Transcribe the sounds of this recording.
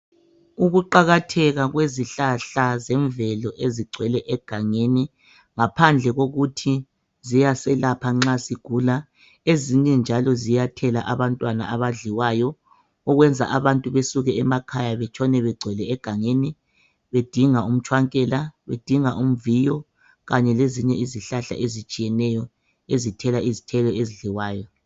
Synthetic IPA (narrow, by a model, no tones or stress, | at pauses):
uɣuǃaɣatʰɛɣaɣweziɬaɬazɛɱvɛlɔʔeziɡ͡ǀʱwɛlɛʔɛɡ̥ʱaŋeni | ŋapʰand͡ɮʱɛɣoɣutʰi | zijasɛlapʰaŋ͡ǁasiɡ̥ʱuːla | eziɲɛnd͡ʒʱalɔzijatʰɛla̰ʔaβantʼwana̰aβaɮiwajɔ | ɔɣwɛnd͡zʱa̰ʔaβantʼuβesuɣɛɛmakʰajaβɛt͡ʃʼʰɔnɛβɛɡ͡ǀʱɛlɛːɡ̥ʱaŋeːni | βed̥ʱiŋaum̩t͡ʃʰʼwaŋkʼɛlaβed̥ʱiŋaʔum̩vijɔ | ɣaɲɛleziɲɛiziɬaɬa̰ʔezit͡ʃʼijɛnɛjɔ | ezitʰɛlaʔizitʰɛlɔeziɮiwaːjɔ